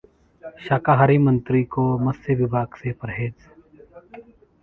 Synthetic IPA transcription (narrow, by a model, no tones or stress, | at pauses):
ʃaːkaɦɐɾimə̃nt̪ɾikomɐseʋɪbʱaːɡsepəɾɦeːd͡ʒ